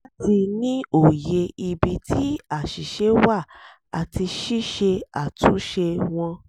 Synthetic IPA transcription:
ti˧nĩ˦o˨je˧i˨bi˨tʰi˦a˦˨ʃi˨ʃe˨˦wa˦˨ | a˨ti˧ʃi˦ʃe˧a˨tũ˨˦ʃe˧w̃ɔ̃˧

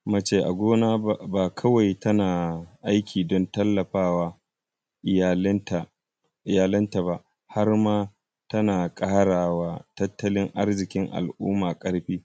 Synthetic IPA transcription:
mɐ˦t͡ʃe˨ʔa̰˨ɡʷoː˦naː˦baː˨kʰɐ˦wa˨jtʰɐ˦naː˨ʔa˦jkʲʰiː˨dɔ˦ntɐ˦lːɐ˨ɸaː˦waː˦˨ | lta˨ | ɪ˨jaː˨lɐ˦nta˨ba˨ʔ | ha˦rmaː˦ | tɐ˦naː˨kʼaː˦ɽaː˨waː˦tɐ˦tːɐ˦lɪ˦ŋʔa˦rzɪ˨kʲɪ˦ŋʔa̰˨lʔṵː˦maː˨kʼɐ˦ɽɸiː˦

